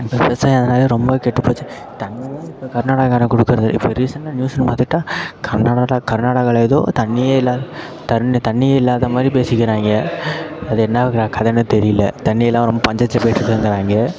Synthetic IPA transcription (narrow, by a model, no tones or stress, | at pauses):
ɪpːɐpɛsaːjɐðɐnaːlɐɾɔmbɐkeʈːɯpːoːt͡ʃːɯ | t̪ɐɳːɪjlɐːɪpːokɐɾnaːɽaːɣaːnɐkɔɽɯkːɯɾɐðɯʔɪ̰pːoːɾiːsɐnʈːanjuːsnpaːt̪ːɯʈːãːkʰɐɾnaːɽaɽakɐɾnaːɽaɣɐɭeːðo̰ːt̪ɐɳːɪjeɪlːaː | t̪ɐt̪ɐɳːɪjɐɪlːaːðɐmaːd̪ɾipeːsɪkʲːɪɾaːŋɡɐ | ɐðɯɛnːɐkːɾaːkɐðɛnːɯ̃t̪ɛɾɪjɪlːɐ̰t̪ɐɳːɪjɐlːãːɾɔmbɐpɐɲd͡ʒɐtːɐpoːjɪʈːɾɯkːɐɾɯnd̪ɐɾaːŋɡɐ